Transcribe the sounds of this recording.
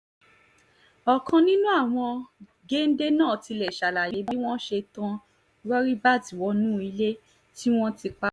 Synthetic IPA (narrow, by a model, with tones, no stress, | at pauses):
ɔ˨kʰã˧nĩ˦nũ˦a˦˨w̃ɔ̃˧ | ɡe˦n̩˦de˦nãː˦˨ti˧lɛ˨ʃa˨la˨je˨˦bi˦w̃ɔ̃˦ʃe˧tã˧ | ɾɔ˦ɾi˦ba˦˨ti˨wɔ˧nũː˦i˧le˦ | ti˦w̃ɔ̃˦ti˧k͡pa˦